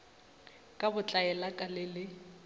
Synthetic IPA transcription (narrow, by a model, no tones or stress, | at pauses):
kʼabʊt͡ɬʼaɛlakʼalɪlɪ